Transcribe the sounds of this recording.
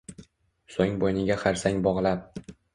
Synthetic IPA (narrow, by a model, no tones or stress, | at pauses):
soŋʲbojnɪɡʲaχaɾsaŋbɒʁlˠap̚